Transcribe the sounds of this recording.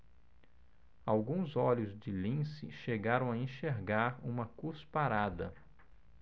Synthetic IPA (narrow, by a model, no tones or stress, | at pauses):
awɡũzɔʎʊzd͡ʒɪlĩsɪ̰ʃeɡaɾɐ̃w̃aẽʃeɾɡaɾũmɐkuspaɾad̪ɐ